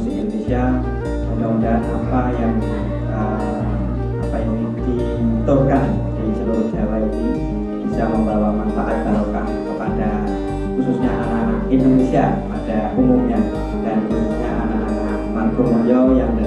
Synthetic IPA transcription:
sɪkindonesia | udaundaɦnapajaŋ | ə | apajaŋ | d̥i | t̪ʊrkan | d͡ʒaisəluɾʊsialad͡ʒadi | b̥isaməmbawamanfaʔat̪̚kaloka̰huk̪əkad̥a | xususɲaʔanaindonesiapadaʔumumɲa | d̥anxususɲaʔanaaməakmanɡomojɔjaŋ

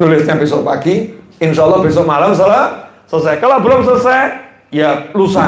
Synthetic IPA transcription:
nulɪsɲabisɔʔpaɡi | ɪnʃalːɑhbes̬ɔʔmalams̬ala | səs̬ɛkalabəloms̬əsɛ | jalusa

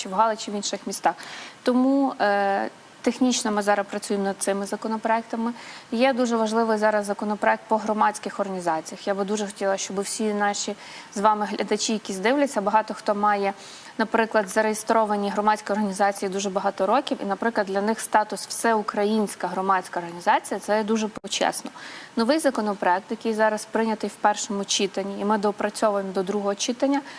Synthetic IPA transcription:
t͡ʃɪwɦɑlˠɪt͡ʃɪʋinʃɪxmʲist̪ɑxt̪ɔmu | t̪exnʲit͡ʃnɔmɪzɑɾɐpɾɐt͡sʲujɪmnɐd̪̥̚t̪sɪmɪzɐkɔnɔpɾɔɛk̚t̪ɐmɪjɛd̪uʒɛʋɐʒlˠɪʋɪjzɑɾɐzːɐkɔnɔpɾɔɛk̚t̪̚pɔɦɾɔmɑt͡sʲkɪxɔrɦɐnʲizɑt͡sʲijɐxjabɨd̪uʒɛxɔ̥tʲilˠɐʃt͡ʃɔbɪwsʲinɑʃʲi | zʋɑmɪɦlʲʔɐd̪ɐt͡ʃʲijɐkʲizd̪ɪʋlʲɐt͡sʲːɐbɐɦɑt̪ɔxt̪ɔmɑjɛ | nɐpɾɪklˠɐd̪zɐɾejest̪ɾɔʋɐnʲiɦɾɔmɑt͡sʲkɪjɔrɦɐnʲizɑt͡sʲijid̪uʒɛbɐɦɑt̪ɔɾɔkʲiwḭnɐpɾɪklˠɐd̪lʲɐnɪxst̪ɑt̪ʊswsɛukɾɐjinʲsʲkɐɦɾɔmɑt͡sʲkɐːrɦɐnʲizɑt͡sʲijɐt̪sɛd̪uʒɛpt͡ʃɛ̰snɔnɔʋɪjzɐkɔnɔpɾɔɛkt̪jɐkɪjzɑɾɐspɾɪnʲɐt̪ɪjwpɛrʃɔmʊt͡ʃit̪ɐnʲːiːmɪd̪ɔpɾɐt͡sʲɔʋʊjemɔd̪ɔd̪ɾuɦɔɦɔt͡ʃit̪ɐnʲːɐ

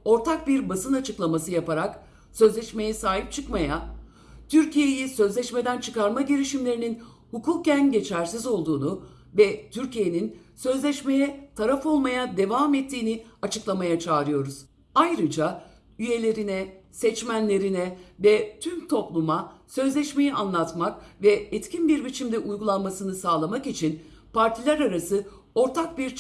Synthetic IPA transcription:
o̞ɾt̪ʰak̚biɾbasɯnat͡ʃʰɯklˠamasɯjapaɾak | sø̞zlʲɛʃme̞jɛsaːɦip̚t͡ʃʰɯkmaja | t̪ʰyɾcije̞jisø̞zlʲɛʃme̞d̪ænt͡ʃʰɯkaɾmaɟeɾiʃimlʲe̞ɾinin | hukʰuːk̚cænɟe̞t͡ʃʰæɾsizo̞lˠd̪uːnu | vɛt̪ʰyɾcije̞ninsø̞zlʲɛʃme̞jɛt̪ʰaɾafo̞lˠmajad̪e̞vaːmɛt̪ʰːiːniat͡ʃʰɯklˠamajat͡ʃʰaːɾɯjo̞ɾuz̥ | ajɾɯd͡ʒa | yje̞lʲe̞ɾinɛsɛt͡ʃmænlʲe̞ɾinɛvɛt̪ʰymt̪ʰo̞plˠumasø̞zlʲɛʃme̞jiʔanlˠat̪makvɛɛt̪cʰinbiɾbit͡ʃʰimd̪ɛʔujɡulˠanmasɯnɯsaːlˠamakit͡ʃʰinpaɾt̪ʰilʲæɾaɾasɯ | o̞ɾt̪ʰak̚biɾ

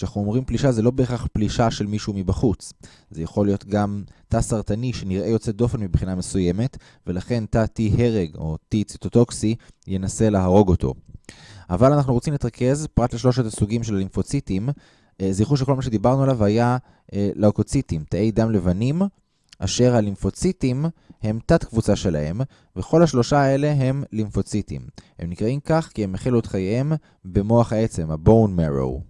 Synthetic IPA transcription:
ʃenaχnuomʁimpliʃazelo̞beːχaχpliʃaʃe̞lmiʃuumibaχut͡s | zejaχo̞lijo̞t̪ɡamtasaʁtaniʃe̞niʁʔe̞jo̞t͡se̞do̞fe̞nmibχiname̞suje̞me̞t | ve̞laχe̞ntatiɦe̞ʁeɡo̞̰tit͡si̥t̪oto̞ksije̞nase̞leɦaʁo̞ɡo̞tʰo̞̰ | ʔavalanaχnuʁo̞t͡simlitʁakʰe̞zpʁatleʃlo̞ʃetasuɡimʃe̞lalinfo̞t͡sitim | ziχuʃ̬eko̞lmaʃ̬ed̪ibaʁnualavaja | laoko̞t͡sitimtae̞jd̪amle̞vanim | ʔa̰ʃe̞ʁhalimfo̞t͡sitimhe̞mt̪atkvut͡saʃe̞la̰he̞m | veχo̞lhaʃlo̞ʃaae̞le̞ɦe̞mlimfo̞t͡sit̪ḭmhe̞mnikʁaimkaχkie̞meχiluet̪χajeem | be̞mo̞aχhae̞t͡se̞mabo̞wnmeʁo̰w

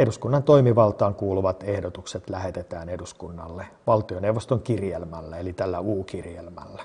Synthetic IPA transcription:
eduskunːɑnt̪oimiʋɑlt̪ɑːŋkuːluʋɑt̪ehdot̪ukset̪læhet̪et̪æːneduskunːɑ̰lːeʋɑlt̪ioneuʋːost̪oŋkirjelmælːæelit̪ælːæuːkirjelmæ̰lːæ̥

